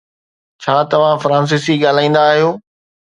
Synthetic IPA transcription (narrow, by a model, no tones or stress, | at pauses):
t͡ɕʰaːt̪ɐʋ̤ãfɾãːns̬isiɠaːl̤aːĩːn̆d̪aːɦijoː